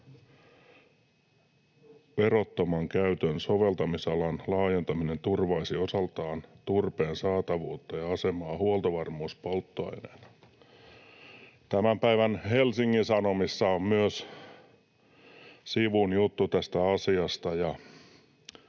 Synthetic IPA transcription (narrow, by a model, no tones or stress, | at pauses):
perot̪ːomɑŋkæyt̪ønsoʋe̞lt̪ɑmisɑlɑnlɑːje̞nt̪ɑmine̞nt̪urʋɑisiosɑlt̪ɑːnt̪urpeːnsɑːt̪ɑʋuːt̪ːɑjɑɑsemɑːhuolt̪oʋɑrmuːspolt̪ːoɑ̰inen | t̪æmæmpæiʋænhelsiŋːinsɑnomisːɑommyøs | siʋunjut̪ːut̪æst̪æɑsiɑst̪ɑjɑ